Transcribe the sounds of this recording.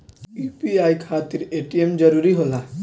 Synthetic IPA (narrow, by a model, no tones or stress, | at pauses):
juːpiaːikʰaːt̪ɪɾeːʈijemd͡ʒɐɾuːɾiɦoːlaː